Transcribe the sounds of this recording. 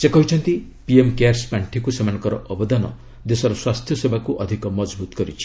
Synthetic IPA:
sekɔɦit͡ʃʰɔnt̪i | piemkaɾspaɳʈʰikusemanŋkɔɾɔʔɔbɔd̪anɔ̰ | d̪esɔɾɔswast̪ʰjɔsebʱakuʔɔd̪ʱikɔmɔd͡ʒbut̪ɔ̥kɔɾit͡ʃʰi̥

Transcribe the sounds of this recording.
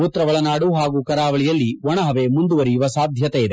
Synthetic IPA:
ut̪ɾɐʋɐɭɐnaːɽuɦaːɡuːkɐɾaːʋɐɭijɐlːiʋɔɳɐɦɐʋemund̪uʋɐɾijuʋɐsaːd̪ʱjɐt̪eid̪e

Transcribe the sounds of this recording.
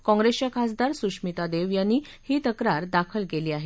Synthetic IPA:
kɔ̃ŋɡɾest͡ɕjakʰasd̪aɾsuʂmit̪ad̪eʋjanːiː | hiːt̪əkɾaɾd̪akʰəlkeliːaɦe

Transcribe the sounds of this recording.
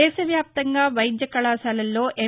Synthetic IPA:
ɛːʃɐʋjaːp̚t̪ɐŋɡaːʋɐjid̪jɐkɐɭaːsaːlɐlːo̞ːʔe

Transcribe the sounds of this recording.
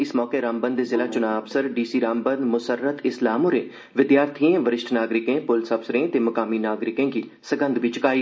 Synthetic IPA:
ɪsmɔːkeːɾaːmbənd̪ezɪlaːt͡ʃʊnaːəbsəɾɖiːsiːɾaːmbə̃nd̪mʊsəɾːət̪ɪslaːmõːɾẽː | ʋɪd̪jaːɾt̪ʰiẽːʋəɾɪʃʈʰnaːɡɾɪkẽːpʊlsəbsɾẽːt̪eːmɐkaːmiːnaːɡɾɪkẽːɡiːsəɡə̃nd̪ʋit͡ʃɪkaːiː

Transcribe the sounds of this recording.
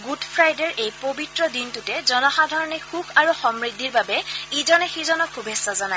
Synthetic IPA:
ɡudpʰɹajdɛɹʔejpobitɹɔdintutɛzɔnɔxadʱɔɹɔnɛxukʰaɹuxɔmɹidʱiɹbabɛizɔnɛxizɔnɔkxubʱesːɔzɔnaj

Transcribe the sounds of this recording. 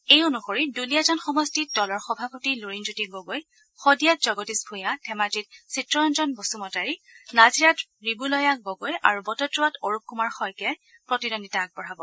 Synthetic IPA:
ejonuxoɹidulijazɔnxɔmɔstidɔlɔɹxɔbʱapotiluɹinzutiɡoɡoj | xɔdijat̚zɔɡɔtisbʱũjatʰɛmad͡ʒit̚sitɹɔɔnzɔnbosumɔtaɹinaziɹatɹibulɔjaɡoɡoja̰ɹubɔtɔtɹuatoɹup̚kumaɹxɔjkɛ | pɹɔtidonditak̚bɔɹabɔ

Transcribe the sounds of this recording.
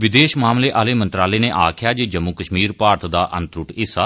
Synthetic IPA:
ʋɪd̪eːʃmaːmleːʔaːleːmənt̪ɾaːleːneːʔaːkʰɪjaːd͡ʒeːd͡ʒəmːukəʃmiːɾpaːɾt̪ʰd̪aːʔə̰̃nt̪ɾʊʈɪsaː

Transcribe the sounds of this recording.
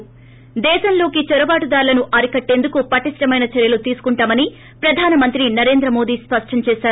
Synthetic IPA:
d̪ɛːʃɐmlo̞ːkit͡ʃɔɾɐbaːʈud̪aːɾulɐnuʔɐɾikɐʈːe̞ːnd̪ukupɐʈisʈɐmɐjnɐt͡ʃɛɾjɐlut̪iːsu̥kuɳʈaːmɐni | pɾɐd̪ʱaːnɐmɐnt̪ɾinɐɾe̞ːnd̪ɾɐmo̞ːd̪iːspɐʂʈɐɲt͡ʃɛːʃaːɾ

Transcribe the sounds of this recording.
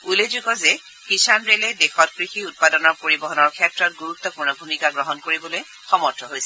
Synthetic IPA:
ulezuɡɔzɛ | kisanɹelɛdexɔt̚kɹixiut̚padɔnɔɹpoɹibɔɦɔnɔɹkʰɛtɹɔt̚ɡuɹutːɔpuɹnɔbʱumikaɡɹɔɦɔnkoɹibɔloj | xɔmɔɹtʰɔɦojsɛ

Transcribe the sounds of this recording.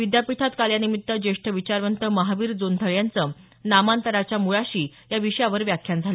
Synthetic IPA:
ʋid̪japit̪ʰat̪kaljanimit̪ːəd͡ʑeʂʈʰəʋit͡ɕaɾʋənt̪əməɦaʋiːɾd͡zond̪ʱəɭjant͡sə | namant̪əɾat͡ɕjamuɭaɕiː | jaʋiɕjaʋəɾʋjakʰjand͡zʱalə

